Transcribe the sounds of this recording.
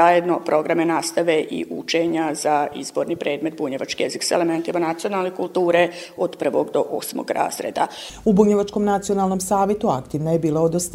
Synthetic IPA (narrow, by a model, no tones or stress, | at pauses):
ajed̪no̞pɾʔo̞ɡɾamenast̪aʋe̞ʔḭʔṵt͡ʃe̞ɲazaizbo̞ːɾnipɾe̞ːd̪me̞t̪̚buɲeʋat͡ʃkijeziksaelement̪imanat̪sijo̞nalˠnekulˠt̪uːɾeod̪pr̩ʋo̞ɡd̪o̞ʔosmo̰ɡɾa̰ːzɾḛːd̪a̰ubuɲeʋat͡ʃko̞mnat̪sio̞naːlˠno̞msaːʋjet̪uakt̪iʋnajebiːlˠaod̪os